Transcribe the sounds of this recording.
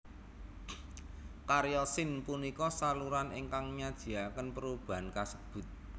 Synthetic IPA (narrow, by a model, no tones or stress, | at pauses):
kaɾjɔsɪnpunikɔsaluɾanʔeŋkaŋɲad̥ʒ̥i̤akənpəɾub̥a̤ankasə̥b̥ʊ̤t̪̚